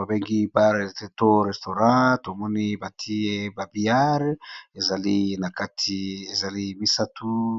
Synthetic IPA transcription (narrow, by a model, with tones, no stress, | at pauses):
a˨be˦ŋɡi˦ba˦˨te˦to˦ʁɛ˨sto˨ʁã˦to˨mɔ˦ni˦ba˨tʰi˦e˦ba˨bi˦a˦ʁe˨za˨li˦na˨ka˦tʰi˦e˨za˨li˦mi˦sa˦tʰu˦